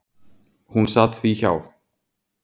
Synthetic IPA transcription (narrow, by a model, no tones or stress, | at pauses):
hunsat̪θiça̰w